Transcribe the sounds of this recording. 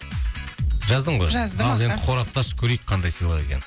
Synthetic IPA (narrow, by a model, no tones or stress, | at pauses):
ʒɑzd̪əɴʁojʒɑzɑenqʰoɾɑp̚t̪ɑʃkʲʰɵɾejk̚ʲqʰɑnd̪ɑjsijlˠəʁe̞̰kʲḛn